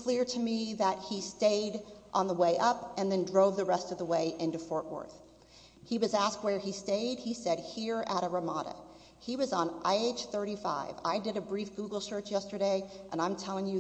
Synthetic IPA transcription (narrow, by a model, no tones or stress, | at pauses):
kʰl̥ɪɹɾɨmiðət̚histeɪɾʔə̃nðəweɪʔʌpɨ̃nðɨ̃ndɹoʊvðɨɹɛstʌvðəweɪʔɪ̃ntʉfɔɹʔwə̰˞θ | hiwʌzæskt̚wə˞isteɪd̚isɛd̚hiɹəɾəɹəmɑɾə̰ | hiwʌzn̩ʔa̰ɪeɪt͡ʃθɜ˞ɾifa̰ɪva̰ɪdɨɾɨbɹifɡ̥uɡl̩ˠsɜ˞t͡ʃjɛstə˞ɾeɪʔɨ̃ñãɪ̃mtʰɛlˠɪ̃ŋj